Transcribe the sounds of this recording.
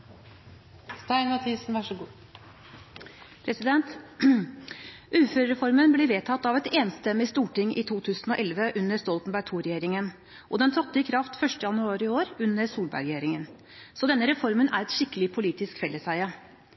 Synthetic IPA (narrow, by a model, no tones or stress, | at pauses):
st̪ɑɪnmɑt̪ʰisn̩ʋɑʂəɡuː | pʰɾɛsɪd̪ɛnt̪ | ʔʉːføːɾɾɛfɔɾmənbliːʋeːt̪ʰɑt̪ːɑʋɛt̪eːnst̪ɛmːɪst̪uːʈɪŋʔɪ̰t̪ʰuːt̪ʰʉːsnɔʔɛlʋəʔʉnːəɾst̪ɔlt̪n̩bæʈ̪ʰuːɾɛjeːɾɪŋən | ʔɔd̪ɛnt̪ʰɑt̪ːəɪkʰɾɑft̪fœʂʈəjɑnʉɑːɾɪoːɾʉnːəɾsuːlbæ̰ɾɡɾɛjeːɾɪŋən | sɔd̪ɛnːəɾɛfɔɾmənæ̰ɾɛt̪ʃɪkːəlɪpʰʊliːt̪ɪskfɛlːəsæɪə